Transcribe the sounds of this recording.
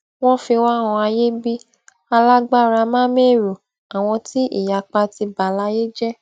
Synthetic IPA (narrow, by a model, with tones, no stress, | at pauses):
w̃ɔ̃˦fi˧wã˦˨ɔ̃˧a˧je˦bi˦ | a˧la˦ɡ͡ba˦˨ɾa˧mãː˦me˦˨ɾo˨ | a˨w̃ɔ̃˧ti˦ḭ˦˨ja˨k͡pa˧ti˧ba˨la˦je˦d͡ʒɛ˦